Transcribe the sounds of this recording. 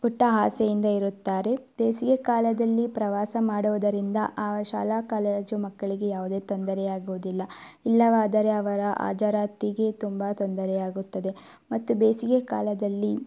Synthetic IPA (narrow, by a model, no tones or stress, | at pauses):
uʈːɐɦaːsejind̪ɐiɾut̪ːaːɾe̞b̥eːsiɡekaːlɐd̪ɐlːipɾɐʋaːsɐmaːɽuʋɐd̪ɐɾind̪ɐʔaːʃa̰ːlaːkaːleːd͡ʒumɐkːɐɭiɡe̞jaːʋud̪e̞ːt̪ond̪ɐɾɛjaːɡuʋud̪ilːɐilːɐʋaːd̪ɐɾe̞ɐʋɐɾɐʔa̰ːd͡ʒaɾaːt̪iɡe̞t̪umbɐt̪ond̪ɐɾɛjaːɡut̪ːɐd̪e̞ | mɐt̪ːubeːsiɡekaːlɐd̪ɐlːi